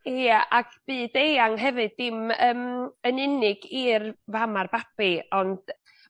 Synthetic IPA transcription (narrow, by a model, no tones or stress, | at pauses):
aʔakʰb̥ɨːd̥ejaŋɦɛvɨdɪməmənɪnɪɡirvamarbapiɔnd̥